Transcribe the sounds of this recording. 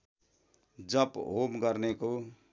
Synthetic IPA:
d͡zʌpɦomɡʌrneko

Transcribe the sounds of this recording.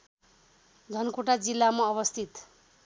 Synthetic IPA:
d͡zʱʌnkoʈad͡zilːamaʌβʌst̪ʰit̪

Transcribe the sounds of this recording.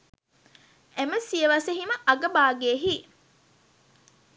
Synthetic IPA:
eməsijəʋɐseɦiməʔɐɡəbaːɡeːɦi

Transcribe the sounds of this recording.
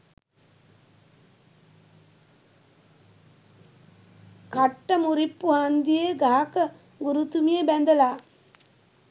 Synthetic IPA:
kɐʈːɐmuɾipːuaːnd̪ijeɡaːkɐ | ɡuɾut̪umijebɛnd̪ɐlaː

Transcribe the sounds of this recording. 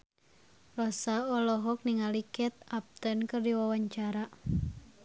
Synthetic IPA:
rɔsaɔlɔɦɔk̚niŋalikɛt̪̚ap̚t̪ənkɨrdiwawaɲt͡ʃaɾa

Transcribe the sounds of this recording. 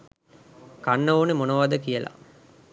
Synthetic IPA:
kanːəoːnemonoʋad̪əkijəla̰

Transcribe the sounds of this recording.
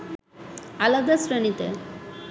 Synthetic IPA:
alad̪asɾenit̪ḛ

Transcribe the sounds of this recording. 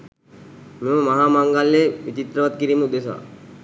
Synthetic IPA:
meməmaɦaːmaŋɡalːeʋit͡ʃit̪ɾəʋat̪̚kiɾiːməud̪esa̰

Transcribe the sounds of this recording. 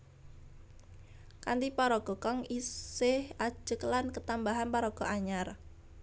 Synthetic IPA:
kant̪ipaɾɔɡ̥ɔkɔŋisɪhḁd͡ʒ̥əkəlankət̪ambaɦanpaɾɔɡ̥ɔ̤ʔaɲar

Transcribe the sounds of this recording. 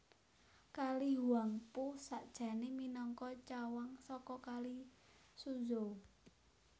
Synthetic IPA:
kaliɦuwaŋpusaʔd̥ʒ̥a̤neminɔŋkɔt͡ʃawaŋsɔkɔkali | suzo

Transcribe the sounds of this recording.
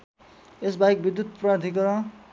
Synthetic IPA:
esbaik̚bid̪jut̪̚prard̪ʱikʌɾʌ

